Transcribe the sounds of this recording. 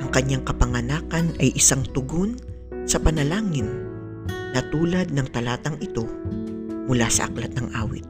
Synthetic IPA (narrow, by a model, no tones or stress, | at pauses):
ʔɐŋkɐɲːaŋkɐpɐŋɐnaːkɐnʔɐjʔɪsaŋt̪ʊɡon | sɐpɐnɐlaːŋɪnː | ɐt̪uːlɐd̪̚nɐŋt̪ɐlaːt̪ɐŋʔɪt̪o̞ | mʊlasɐ̰ʔɐ̰klɐt̪̚nɐŋʔa̰ːwɪ̰t̪̚